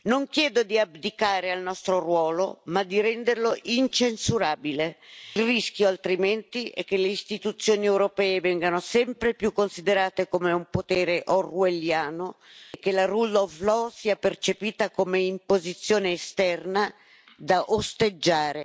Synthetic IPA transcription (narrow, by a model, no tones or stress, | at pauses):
noŋkjɛːd̪od̪iabd̪ikaːɾealnɔst̪ɾorwɔːlomad̪iɾɛnd̪erloʔint͡ʃensuɾaːbilelrisk̟joalt̪ɾimɛnt̪iɛ̰k̟ːeleist̪it̪ut̪sːjoːniɛwɾopɛːevɛŋɡanosɛmpɾepjukːonsid̪eɾaːt̪ekomeumpot̪ɛːɾeʔorweljaːnokːelarulːɔflɔsiːapert͡ʃepiːt̪akomeimpozit̪sːjoːneːst̪ɛrna | d̪aʔost̪ed͡ʒːaːɾe